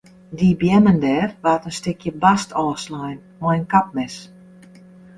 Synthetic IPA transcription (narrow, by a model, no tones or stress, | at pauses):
dibjɛməndɛːrʋaːtənstɪkʰjəbastʰɔːslajn | mɔjənkap̚mɛs